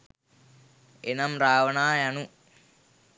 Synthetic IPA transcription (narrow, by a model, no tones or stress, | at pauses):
enɐmraːʋɐɳaːjɐnu